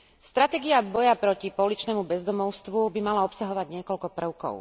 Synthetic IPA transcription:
st̪ɾat̪ɛɡiabɔjapɾɔcipɔlit͡ʃnɛmubɛzd̪ɔmɔʊst̪ʋubimalaɔpsaɦɔʋaɟɲɪɛkɔʎkɔpr̩ʊkɔ̰ʊ

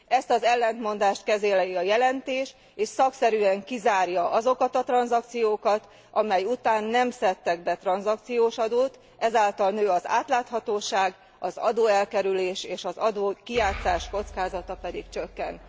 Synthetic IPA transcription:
ɛst̪ɒzɛlːɛnt̪mo̞nd̪aːʃt̪kɛzeːlɛjiɒjɛlɛnt̪eːʃ | eːʃsɒksɛɾyːɛŋkizaːrjɒʔɒzo̞kɒt̪ɒt̪rɒnzɒkt̪sijoːkɒt̪ | ɒmɛjut̪aːnːɛmsɛt̪ːɛɡbɛt̪rɒnzɒk̚t̪sijoːʃɒd̪oːt̪ | ʔɛzaːlt̪ɒlnøːɒza̰ːt̪laːt̪hɒt̪oːʃaːɡ | ɒzɒ̰d̪oːɛlkɛɾyleːʃeːʃɒzɒd̪oːkijaːt̪saːʃko̞t̪skaːzɒt̪ɒpɛd̪ikt͡ʃø̞kːɛn

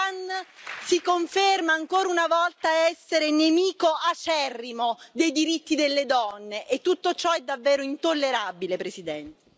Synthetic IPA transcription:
ansikoɱfermaːŋkoːɾaunavɔlt̪aɛsːeɾenemiːkoʔat͡ʃɛrːimod̪ejd̪iɾit̪ːid̪elːed̪ɔnːeʔet̪ːut̪ːot͡ʃɔɛd̪ːavːeːɾoint̪olːeɾabilepɾesid̪ɛnt̪e

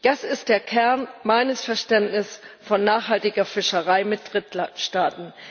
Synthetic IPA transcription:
d̥asɪst̚d̥eːɐkʰɛɐnmaɪnəsfɛɐʃtɛntnɪsfɔnːaːχhaltɪɡɐfɪʃəʁaɪmɪt̚d̥ʁɪtʃtaːtn̩

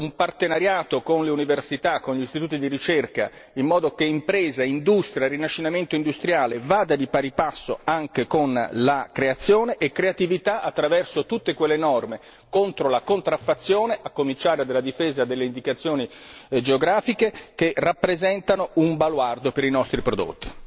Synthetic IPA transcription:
umpart̪enaɾjaːt̪okonleuniversit̪akːonʎist̪it̪uːt̪id̪iɾit͡ʃerka̰ | imːɔːd̪okeimpɾeːzaind̪ust̪ɾjarːinaʃːinament̪oind̪ust̪ɾjaːlevaːd̪ad̪ipaɾipasːoaŋkekonlakɾeat̪sːjoːneʔekːɾeat̪ivit̪aʔat̪ːɾavɛrsot̪ut̪ːekwelːenɔrme | kont̪ɾolakont̪ɾafːat̪sːjoːneʔakːomint͡ʃaːɾead̪elːad̪ifeːzad̪elːeind̪ikat̪sːjoːnid͡ʒeoɡɾaːfikek̟erapːɾezɛnt̪anoumbalward̪opeɾinɔst̪ɾipɾod̪o̰t̪ːi̥

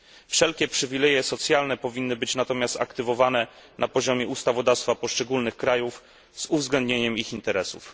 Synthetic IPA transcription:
fʂɛlkʲɛpʂɘvʲilɛjɛsɔt̪sʲjalnɛpɔvʲinːɘbɘt͡ɕnat̪ɔmʲjast̪akt̪ɘvɔvanɛ | nʔapɔʑɔmʲjɛust̪avɔd̪afst̪fapɔʂt͡ʂɛɡulnɘxkɾajuf | zuvzɡlɛnd̪̚ɲeɲɛmixint̪ɛɾɛsṵf

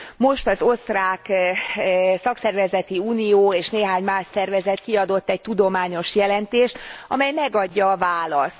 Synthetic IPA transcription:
mo̞ʃt̪ɒzo̞st̪raːk | sɒksɛrvɛzɛt̪iuːnijoːeːʃneːɦaːɲmaːʃsɛrvɛzɛt̪kiɒd̪o̞t̪ːɛc̚t̪ud̪o̞maːɲo̞ʃjɛlɛnt̪eːʃt̪ɒ̰mɛjmɛɡɒɟːɒːvaːlɒst̪

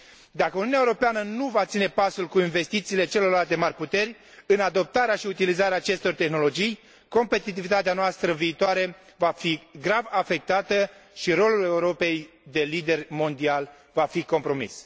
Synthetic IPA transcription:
d̪akəununaeuɾo̞peanənuvat̪sinepasulkuinve̞st̪it̪siːle̞t͡ʃelo̞rlalt̪e̞marʲput̪e̞rʲ | ɨnad̪o̞p̚t̪aɾeaʃiut̪ilizaɾeaːt͡ʃe̞st̪o̞rt̪e̞xno̞lo̞d͡ʒij | ko̞mpe̞t̪it̪̬ivit̪at̪̬eanoast̪ɾəviːt̪oaɾe̞vafiɡɾavafe̞k̚t̪at̪əʃiɾo̞lule̞uɾo̞pe̞j | d̪e̞lid̪e̞rmo̞nd̪ial | vafiko̞mpɾo̞mḭs

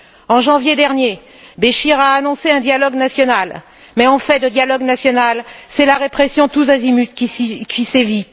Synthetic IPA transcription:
ɑ̃ʒɑ̃vjed̪ɛʁnje | beʃiʁaːnɔ̃seɛ̃d̪jalɔɡnasjɔnal | mɛɑ̃fɛd̪əd̪jalɔɡnasjɔnalsɛlaʁepχɛsjɔ̃t̪uzazimyt̪kʲikʲʰisevi

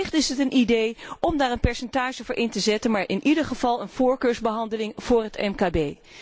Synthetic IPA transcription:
ɪχtɪsɦətənidejɔmdaːɹənpɛɹsɛntaːʒəovəːɹʔɪntəzɛtənmaːɹʔɪnʔidəχəv̥ɑlˠənv̥ʊːɹkøːɹzbəɦɑndəlɪŋv̥ʊːrɦətɛ̰mkaːbej

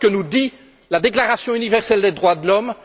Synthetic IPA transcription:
kənud̪i | lad̪eklaʁasjɔ̃ynivɛʁsɛld̪ed̪ʁwad̪əlɔm

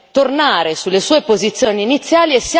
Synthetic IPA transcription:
t̪ornaːɾesulːesuːepozit̪sːjoːniːnit̪sːjaːliesːja

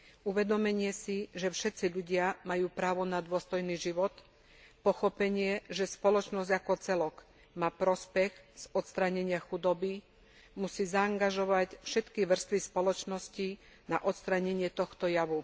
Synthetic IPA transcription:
uʋɛd̪ɔmɛɲɪɛsiʒɛfʃɛt̪t͡siʎuɟɪamajuːpɾaːʋɔnad̪ʊɔst̪ɔjniːʒiʋɔt̪ | pɔxɔpɛɲɪɛʒɛspɔlɔt͡ʃnɔzɟakɔt͡sɛlɔk | maːpɾɔspɛɣz̥ɔt̪st̪ɾaɲɛɲɪaxud̪ɔbi | musiːzaːŋɡaʒɔʋacfʃɛt̪kiʋr̩st̪ʋispɔlɔt͡ʃnɔsci | na̰ʔɔt̪st̪ɾaɲɛɲɪɛt̪ɔxt̪ɔjaʋu

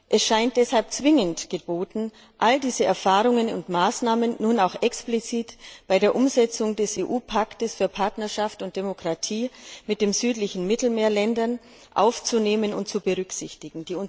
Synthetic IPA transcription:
ʔɛsʃaɪnt̚d̥ɛshalp̚t͡sv̥ɪŋəntɡ̥əb̥oːtn̩ | ʔaldiːzəʔɛɐfaːʁʊŋənʊ̰ntmaːsnaːmənːuːnaʊxʔɛksplit͡siːtb̥aɪɾeːɐʔʊmzɛt͡sʊŋdɛseːʔuːpʰaktəsfyːɐpʰaɐtnɐʃaftʊnt̚d̥emokʁ̥atʰiːmɪt̚d̥eːmzyːtlɪçn̩mɪtl̩meːɐlɛndɐn | ʔa̰ʊft͡suneːmənʊ̰ntt͡subəʁʏksɪçtɪɡŋ̩d̥iːʊn

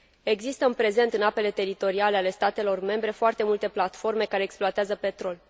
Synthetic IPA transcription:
e̞ɡzist̪əɨnpɾe̞ze̞nt̪ɨnape̞le̞t̪e̞ɾit̪o̞ɾialeale̞st̪at̪e̞lo̞rme̞mbɾe̞foart̪e̞mult̪e̞plat̪fo̞rme̞kaɾe̞ːksploat̪eazəpe̞t̪ɾo̞l

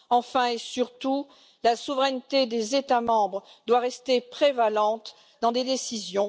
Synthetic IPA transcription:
ɑ̃fɛ̃esyʁt̪u | lasuvʁɛnt̪ed̪ezet̪amɑ̃bʁd̪waʁɛst̪epχevalɑ̃t̪ | d̪ɑ̃d̪ed̪esizjɔ̃

